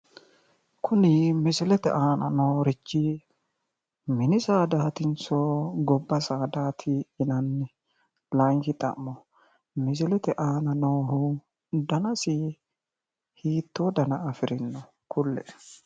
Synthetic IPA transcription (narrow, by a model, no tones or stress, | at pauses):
kʰʊnɪmɪsɪlɛt̪ɛ̰ʔaːnɐnoːɾɪt͡ʃːɪ | mɪnɪsaːd̪aːt̪ɪnt͡soɡɔbːɐsaːd̪aːt̪ʰɪɪnɐnːɪ | lɐŋkɪt̪ʼɐ̰mːɔ | mɪs̬ɪlɛt̪ɛʔaːnɐnoːhʊ | d̪ɐnɐsɪ | hiːt̪ːoːd̪ɐnɐːfɪɾɪnːɔ | kʰʊlːɛ̰